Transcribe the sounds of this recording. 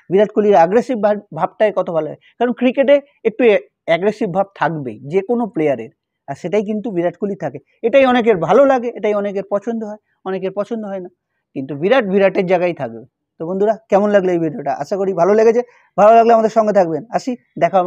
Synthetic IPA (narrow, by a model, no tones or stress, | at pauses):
biɾaʈkuliɾaɡɾesibbʱab̚ʈaekɔt̪obʱalolaɡekaɾonkɾikeʈe | ek̚ʈu | ɛɡɾesibbʱab̚t̪ʰakbḛd͡ʑekonoplejaɾḛɾ | aɾʃeʈajk̬int̪ubiɾaʈkulit̪ʰake | eʈajɔnek̬eɾbʱalolaɡeʔeʈajɔnek̬eɾpɔt͡ɕʰond̪oɦɔe | ɔnek̬eɾpɔt͡ɕʰond̪oɦɔena | kint̪ubiɾaʈbʱiɾaʈeɾd͡ʑaɡajt̪ʰak̚be | t̪obond̪ʱuɾakɛmonlaɡleejbʱiɖioʈaʔa̰ʃakoɾibʱaloleɡet͡ɕʰe | bʱalolaɡleamad̪eɾʃɔŋɡet̪ʰakbenaʃi | d̪ɛkʰa